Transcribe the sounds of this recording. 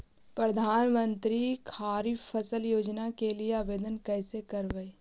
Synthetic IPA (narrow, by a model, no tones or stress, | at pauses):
pɾəd̪ʱaːnmə̃nt̪ɾikʰaːɾiəsəljoːd͡ʒnakelieabeːd̪ənkɛːsekɐɾʋee